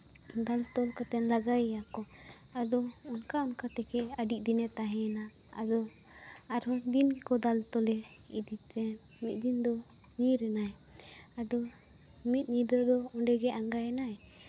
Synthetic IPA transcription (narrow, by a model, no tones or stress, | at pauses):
d̪alt̪ɔlkat̪ɛnlaɡajjakɔ | ad̪ɔ | ɔnkaɔnkat̪ɛkʰɛadiʔ̚d̪inɛt̪aɦɛna | a̰d̪ɔ | aɾad̪inɡɛkɔd̪alt̪ɔlɛ | ḭd̪it̪ɛn | mit̪̚ˀd̪ind̪ɔ | ɲiɾɛnaj | ad̪ɔ | mit̪̚ˀɲid̪ɔd̪ɔɔnɖɛɡɛʔaŋɡaɛnaj